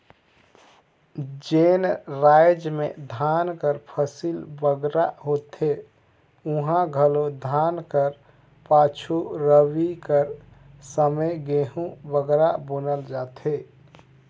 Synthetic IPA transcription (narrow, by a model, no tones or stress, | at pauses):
d͡ʒenɾaːjd͡ʒmḛ̃d̪ʱaːnkəɾpʰəsilbəɡɾaɦot̪e | uɦãɡʱəlod̪ʱankəɾ | paːt͡ʃʰuɾəwikəɾ | səməjɡeɦũbəɡɾabənəld͡ʒaːt̪e